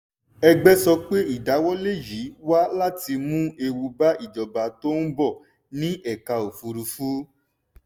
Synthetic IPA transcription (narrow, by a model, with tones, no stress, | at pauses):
ɛ˧ɡ͡bɛ˦sɔ˧k͡pe˦i˦˨da˨˦wɔ˦le˦˨ji˨˦wa˦la˦ti˧mũ˦e˧wu˧ba˦ʔi˦˨d͡ʒɔ˨ba˧to˦n̩˦bɔ˦˨ | nĩ˦ɛ˦˨ka˧o˨fu˧ɾu˧fu˦